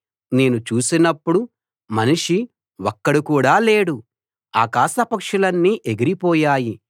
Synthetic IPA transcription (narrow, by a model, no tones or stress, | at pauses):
ne̞ːnut͡ʃuːsinɐpːuɽu | mɐniʂi | wɔkːɐɽikuːɽaːle̞ːɽu | a̰ːkaːʃɐpɐkʂulɐnːiʔeɡiɾipɔːjaːji